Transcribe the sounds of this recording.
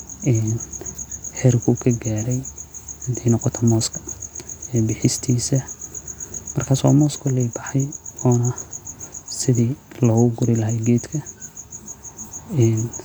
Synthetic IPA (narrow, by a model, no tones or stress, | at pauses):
ʔɛːn | ħɛːrkʰʊkʰɐɡaːɾɛjɪnt̪ʰɛjnɔqɔt̪ʰɐmɔːskʰɐ̥ɛːbɪħɪst̪ʰiːsɐ | mɐrkʰaːswa̰ːmɔːskʰʊlɛjbɑħɛjɔːnɐ | sɪðiːlɔːɣʊɡʊɾɪlɐɦɛjɡɛːd̪kʰɐ | ɛːn